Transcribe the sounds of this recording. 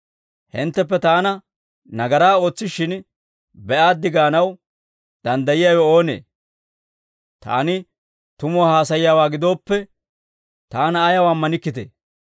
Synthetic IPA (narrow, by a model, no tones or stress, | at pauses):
hɪnt̪ːɛpːɛt̪aːnɐ | nɐɡɐɾaːo̞ːt͡sːɪʃɪn | bɛʔaːd̪ːɪɡaːnɐw | d̪̥ɐnd̪ɐjɪjaːwɛoːnḛː | t̪a̰ːnɪ | t̪ʊmɔhaːsɐjɪjaːwaːɡɪd̪o̞ːpːɛ | t̪aːnɐːjɐwaːmːɐnɪkːɪt̪ḛː